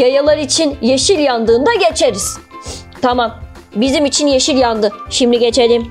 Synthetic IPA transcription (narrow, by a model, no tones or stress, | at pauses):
jajalˠaɾit͡ʃʰinjeʃilʲjand̪ɯːnd̪aɟe̞t͡ʃʰeɾiz̥ | t̪ʰamam | bizimit͡ʃʰinjeʃilʲjand̪ɯʃimlʲiɟe̞t͡ʃʰelʲim